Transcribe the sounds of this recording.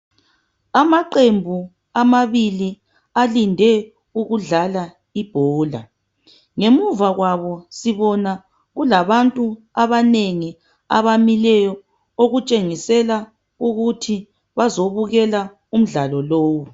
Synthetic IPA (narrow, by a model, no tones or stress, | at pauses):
amaǃembʱu | amaβili | alindʱɛ | uɣuɮala | ib̥ʱɔːla̰ | ŋemuvaɣwaβɔsiβɔna | ɣulaβantʼu | aβaneŋi | aβamilɛjɔ | oɣut͡ʃʼeŋisɛla | uɣutʰi | βazoβuɣɛla | um̩ɮalɔloːwu